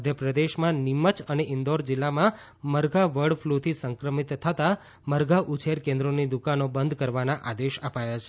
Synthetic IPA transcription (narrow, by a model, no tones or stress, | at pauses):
əd̪ʱjəpɾəd̪eʃmãnimət͡ʃəneʔɪnd̪oɾd͡ʒilːamã | məɾɡaʋəɽflut̪ʰisəŋkɾəmit̪ʰːət̪a | məɾɡaʔut͡ʃʰeɾkẽnd̪ɾonid̪ukanobənd̪ʱkəɾʋanaʔad̪eʃəpajat͡ʃʰe̥